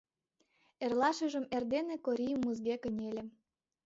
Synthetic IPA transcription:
erlɑʃə̆ʒə̆merd̪enĕkoɾʲijmuzɣekə̆nʲelʲĕ

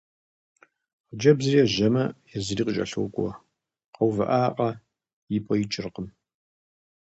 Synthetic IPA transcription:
qd͡ʒɐbzɨriɛʒɐmɐjɛzɨriːqət͡ʃʼɐ̰ɬowkʷʼɔ̰ | qɐwvɐʔaːqʼɐ | jɪpʼɔjit͡ʃʼɪrqəm

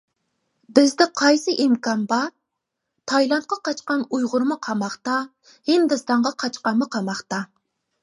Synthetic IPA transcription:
bɪzd̪ɪqʰɑjsɨʔimkɑnbɑɾ | t̪ʰɑjlˠɑnt̪̚qɑqɑt͡ʃqɑnujʁʊɾmɨqʰɑmɑχt̪ɑ | hɪnd̪ɨst̪ɑɴʁɑqʰɑt͡ʃqɑnmːɨqʰɑmɑχt̪ɑ

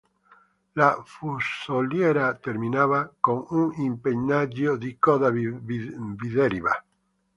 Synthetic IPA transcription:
lafusoljeɾat̪eɾmĩnaβakoŋuŋimpeɲnaʎoðikoða | biðeɾiβa̰

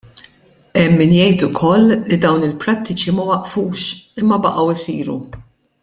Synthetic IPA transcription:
ɛmːɪnjɛjt̪ʊkʰɔlːid̪ɐwnɪlpɾɐt̪ʰːɪt͡ʃimɐwɐʔfuːʃɪmːɐbɐʔɐwɪsiːɾṵ

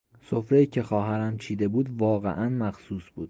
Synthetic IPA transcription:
so̞fɾejiːcʲʰe̞xɒːɦæɾæmt͡ʃʰiːd̪e̞buːd̪vɒːɣḛʔænmæxsuːsb̥uːd̪

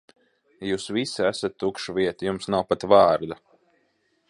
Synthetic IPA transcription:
juːsvisiæsat̪ːukʃuviɛt̪ijumsnawpat̪vaːɾd̪a

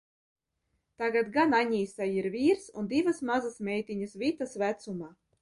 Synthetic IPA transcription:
t̪aɡat̪ɡanaɲiːsajiɾvʲiːɾsṵnd̪ivasmazasmʲɛjt̪iɲasvit̪asvæt̪sumaː

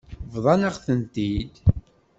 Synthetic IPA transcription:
vðˤɑnəʁθənt̪id̪

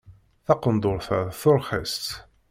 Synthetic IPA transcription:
θɑqənd̪ʊɾθəɾˤθʊɾχə̰st̪

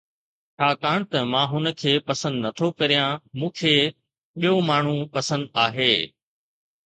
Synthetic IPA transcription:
t͡ʃʰaːkaːɽ̃t̪ɐmãːɦʊnə̆kʰeːpɐsə̃nd̪nɐt̪ʰokɐɾijãmũːkʰeː | ɓijomaːɳ̤ũpɐsə̃nd̪aːɦeː

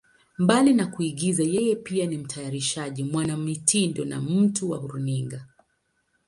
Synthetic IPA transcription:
mbalinakuiɠizajɛjɛpianim̩tʰajaɾiʃaʄimwanamitindɔna̰m̩tuwa̰huɾuniŋɡa

